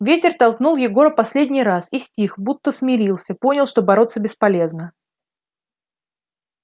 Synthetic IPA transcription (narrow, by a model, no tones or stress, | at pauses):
vʲetʲɪrt̪ɐlˠknulˠjɪɡo̞ɾəpɐsʲlʲedʲnʲɪjɾasisʲtʲixbut̪ːəsmʲɪɾʲilˠsʲəpo̞nʲɪlˠʂt̪o̞bɐɾo̞t̪səbʲɪspɐlʲe̞znə